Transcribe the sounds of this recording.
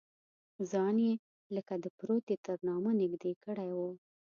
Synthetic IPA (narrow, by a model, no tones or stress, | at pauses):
zɑnje | ləkad̪əpɾot̪et̪əɾnɑmanɪɡd̪ekəɽajwu